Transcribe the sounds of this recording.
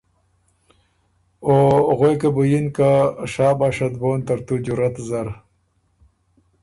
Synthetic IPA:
oɣojkabujinkaʂaːbaːʂɐt̪̚boːnt̪ɐɾt̪ud͡ʑuɾɐt̪zɐɾ

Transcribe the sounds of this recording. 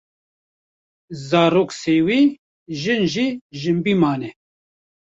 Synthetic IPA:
zaːɾoːkseːwiː | ʒɨnʒiʒɨmbimaːnɛ

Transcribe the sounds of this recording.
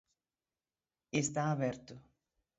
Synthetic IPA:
est̪aːβɛɾt̪ʊ

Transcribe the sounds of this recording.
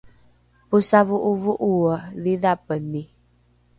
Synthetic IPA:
pusavuʔuvuʔuwəðiðapəni

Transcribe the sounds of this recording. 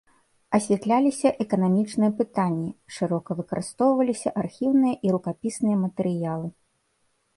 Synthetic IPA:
ɐsʲvʲɛt̪lʲalʲisʲɐʔɛkɐnamʲit͡ʂnɨjɐpɨt̪anʲːiʂɨɾɔkɐvɨkɐɾʔɨst̪ɔwvɐlʲisʲɐʔarxʲiwnɨjɐʔiɾukapʲisnɨjɐmɐt̪ɛɾɨjalˠɨ

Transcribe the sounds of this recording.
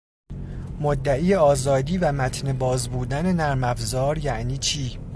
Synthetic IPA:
mod̪ːæʔiːjeɒːzɒːd̪iːvæmæt̪ʰne̞bɒːzbuːd̪æne̞næɾmæfzɒːɾjæʔniːt͡ʃʰiː

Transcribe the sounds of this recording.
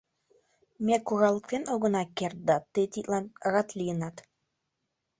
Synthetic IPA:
mʲekuɣɑlˠək̚t̪enoɣɤ̆nɑkert̪̚d̪ɑt̪ːet̪it̪lɑnʁɑt̪lʲijənɑt̪

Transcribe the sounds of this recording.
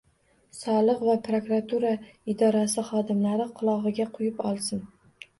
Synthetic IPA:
sɒlˠɨqvapɾokɾat̪ʰuɾaɪd̪ɒɾasɪχɒd̪ɪmlaɾɪqʰʊlˠɒʁɨɡʲaqʰʊjɪpɒlˠsɪn

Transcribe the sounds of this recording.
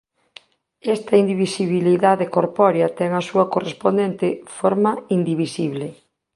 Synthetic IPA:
ɛst̪ɐind̪iβisiβiliðaðekoɾpɔɾjɐt̪ɛŋɐsuɐkorespond̪ɛnt̪efoɾmaind̪iβisiβle

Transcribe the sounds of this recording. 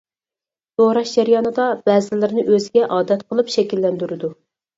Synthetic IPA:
t̪oɾɑʃd͡ʒɛɾjɑːnɨd̪ɑbɛːzɪlɪɾɪnɪʔøzɡʲɛʔɑːd̪ɛt̪qʰəlˠɨpʃɛkʲilːɛnd̪yɾɪd̪u

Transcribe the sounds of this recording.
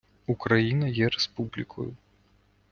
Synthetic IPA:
ukɾajinɐjɛɾɛspublʲikʰɔ̰ju

